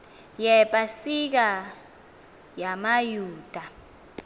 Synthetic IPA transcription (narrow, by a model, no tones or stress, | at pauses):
jɛpʼasik̬a | jamajuːd̥ʱa